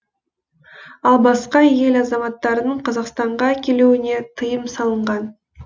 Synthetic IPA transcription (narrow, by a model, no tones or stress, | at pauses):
ɑlˠbɑsqɑje̞lɑzɑmɑt̪ːɑɾənəɴqʰɑzɑqst̪ɑɴʁɑækʲe̞luwɪne̞t̪ʰəjəmsɑlˠəɴʁɑn